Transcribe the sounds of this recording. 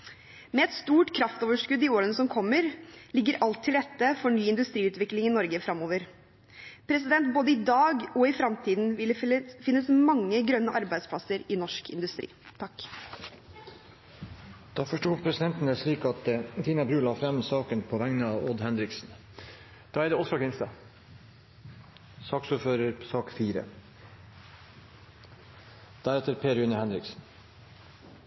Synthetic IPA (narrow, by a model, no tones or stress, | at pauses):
mɛɛt̪st̪uːʈkʰɾɑft̪oːʋəʂkʉd̪ːɪoːɾənəsɔmkʰɔmːəɾlɪɡːəɾʔɑlt̪ʰːɪld̪ɛt̪ːəfɔɳyːɪnd̪ʉst̪ɾiːʉːt̪ʋɪklɪŋɪnɔɾɡəfɾɑmːoːʋəɾ | pʰɾɛsɪd̪ɛnt̪̚boːd̪əɪd̪ɑːɡɔɪfɾɑmt̪ʰiːd̪n̩fɪnːəsmɑŋːəɡɾœnːəʔɑɾbæɪd̪spʰlɑsəɾɪnɔʂkʰɪ̰nd̪ʉst̪ɾḭːt̪ʰɑkː | d̪̥ɑːfɔʂʈuːpʰɾɛsɪd̪ɛnt̪n̩əʂɭiːkɑt̪t̪ʰiːnɑbɾʉːlɑːfɾɛmsɑːkənpʰoːʋæŋnəɑːʋod̪hɛnɾɪksn̩ | d̪̥ɑːɛɖ̪ɛɔsɔkʰɪnst̪ɑ | sɑːksuføːɾəɾsɑːkfiːɾə̰ | d̪̥æɾɛt̪əɾpʰeːɾʉnəhɛnɾɪksn̩